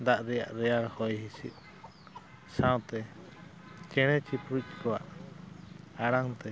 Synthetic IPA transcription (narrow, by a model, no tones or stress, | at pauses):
d̪aʔɾɛja̰ʔɾɛjaɾhɔjɦisḭʔ | saw̃t̪ɛ | t͡ʃɛɽ̃ɛt͡ʃipɾuc̚kɔwa̰ʔ | aɽaŋt̪ɛ